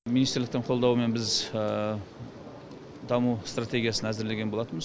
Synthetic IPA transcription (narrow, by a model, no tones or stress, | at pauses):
minist̪ɾlɪk̚t̪ɪɴqʰo̞lˠd̪ɑwəme̞nbɪz | d̪ɑmust̪rat̪ʲe̞ɡʲijasənæzɪɾle̞ɡʲebo̞lˠɑt̪ənməz